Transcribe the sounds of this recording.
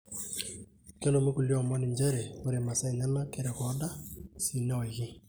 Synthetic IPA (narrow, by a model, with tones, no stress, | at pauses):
ke˦lo˨me˦ku˨ljɔ˨mɔ˦nɪ˨ɲd͡ʒɛ˦ɾɛ˨o˦ɾe˨ma˨sa˦i˨ɲa˦na˦kɛ˦ɾɛ˨kɔ˨˦da˦si˨nɛ˦ɔ˨ɣɪ˦